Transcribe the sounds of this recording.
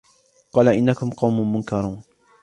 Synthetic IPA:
qɑːlaʔɪnːakʊmqɑwmʊmʊnkɑɾˤuːn

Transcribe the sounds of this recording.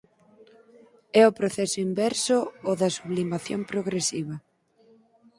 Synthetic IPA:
ɛʊpɾoθɛsʊimbɛɾsʊoðɐsuβlimaθjo̰mpɾoɣɾesiβɐ

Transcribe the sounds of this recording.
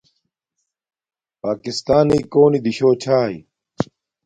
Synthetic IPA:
paːkist̪aːniːkoːnid̪iɕoːt͡ɕʰaːḭ

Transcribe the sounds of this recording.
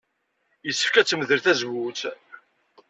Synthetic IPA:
jəsːəfkæt͡sːməðəɾθæzwut͡s

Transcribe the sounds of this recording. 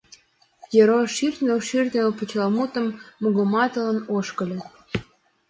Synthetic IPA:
jeɾoʃirnʲelʃirnʲelput͡ɕlˠɑmut̪ə̆mːuɣəmɑt̪ələ̆noʃkə̆lʲĕ

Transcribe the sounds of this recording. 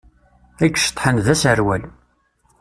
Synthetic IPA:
ækːʃt̪ˤːħənðæsəɾwæl

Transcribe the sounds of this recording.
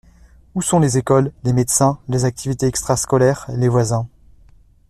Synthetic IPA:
usɔ̃lezekɔlːemed̪sɛ̃lezak̚t̪ʰivit̪eɛkst̪χaskɔlɛːʁlevwazɛ̃

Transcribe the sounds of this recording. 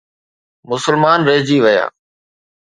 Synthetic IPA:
mʊsəlmaːnɾeːd͡ʑiːʋəja̰ː

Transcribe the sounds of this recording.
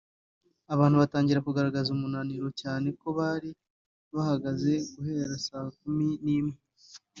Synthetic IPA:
aβaːnhuβataːɲɟiɾakuɡaɾaɡazumunaniɾo̞caːne̞ko̞βaːɾi | βahaɡaze̞ɡuhe̞ːɾasaːk̚uminiːmŋe

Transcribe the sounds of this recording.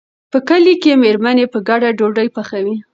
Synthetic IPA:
pəkəlikemeɾmanepəɡaɖaɖoɖəjpaxawi

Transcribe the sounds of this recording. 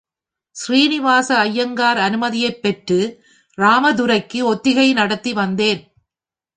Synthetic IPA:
sɾiːnɪʋaːsɐːjːɐŋɡaːɾɐnɯmɐðɪjɐɪpːɛʈrɯ | ɾaːmɐðʊɾɐɪkːɯɔt̪ːɪɣɐɪnɐɽɐt̪ːiʋɐnd̪eːn

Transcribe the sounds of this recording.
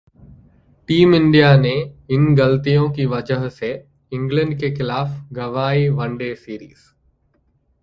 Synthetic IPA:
ʈiːmɪ̃ɳɖijanẽɪnɡɐlt̪ijõkiʋɐd͡ʒəɦse | ɪ̃ŋɡlə̃ɳɖ̚kexɪlaːfɡɐʋaːiʋɐ̃ɳɖeːsiːɾiːz̥

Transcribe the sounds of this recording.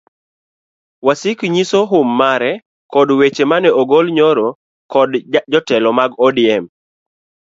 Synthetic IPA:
wasɪkɲisoɦʊmːaɾɛ | kɔdwet͡ʃemanɛʔoɡolɲoɾɔ | kɔdd͡ʒɔtɛlɔmaɡɔdɪɛm

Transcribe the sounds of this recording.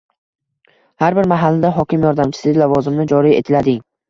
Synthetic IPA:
haɾbɪɾmaɦalːɪd̪aɦɒkʲɪmjɒɾd̪amt͡ʃʰɪ̥sɪlavɒzɪmnɪd͡ʒɒɾie̞̰t̪ʰɪlad̪ɪŋ

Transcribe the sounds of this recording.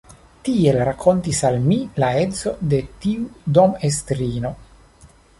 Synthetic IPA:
t̪ielɾakʰːont̪isalmilaezo̞d̪e̞t̪iud̪omest̪ɾino

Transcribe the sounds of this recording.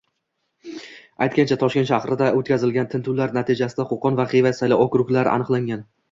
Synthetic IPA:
ajt̪̚kʲant͡ʃʰat̪ʰɒʃkʲe̞nt̪ʃahɾɪd̪aot̪̚kʲazɪlɡʲant̪ʰɪnt̪ʰuwlaɾnat̪ʰɪd͡ʒasɪd̪aqoqʰɒnvaqijvat̪sajlaɒkʲʊɾʊkʲlaɾa̰nɨqlˠaŋʲan

